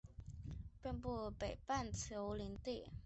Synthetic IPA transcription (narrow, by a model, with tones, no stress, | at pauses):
pɛ˥˧npu˥˩pe˨˩ɪpa˥˩nt͡sʰjo˧˥ʊli˧˥ŋt̪i˥˩